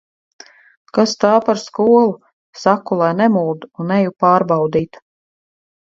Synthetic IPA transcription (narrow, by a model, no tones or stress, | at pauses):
kast̪aːpaɾskuɔlˠu | sakulˠajnɛmuːd̪uunɛjupaːɾbɑwd̪iːt̪